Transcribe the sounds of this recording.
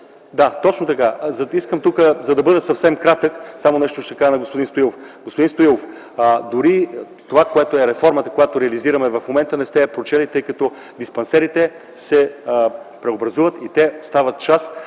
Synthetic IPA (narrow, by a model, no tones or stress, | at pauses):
d̪at̪ɔt͡ʃnot̪ɐkazɐiskəmt̪ukəzɐd̪ɐbɤd̪ɛsɐfsɛmkɾat̪əksamonɛʃt̪oʃt̪ɛkazɐnɐɡospod̪inst̪oilˠofɡospod̪inst̪oilˠof | d̪ʊɾi | t̪ovakoɛt̪oɛɾɛfɔɾmɐt̪əkojat̪oɾɛɐliziɾɐmɛvɐfmomɛnt̪ənɛst̪ɛpɾot͡ʃɛlit̪ɤjkɐt̪ɔ | d̪ispɐnsɛɾit̪ɛ | sɛ | pɾɛobɾɐzuvət̪it̪ɛost̪avɐt̪̚t͡ʃas